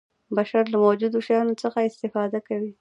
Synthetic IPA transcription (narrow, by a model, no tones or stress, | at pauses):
baʃaɾlamawd͡ʒud̪oʃajɑnot͡səxaɪst̪ɪfɑd̪akawi